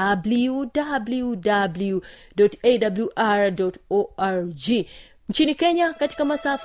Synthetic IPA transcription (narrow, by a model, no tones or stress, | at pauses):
abludabljudabljudɔtedabljuʔaɹdɔtoaɹd͡ʒi | ɲ̩t͡ʃinikeɲakati̥kamasaf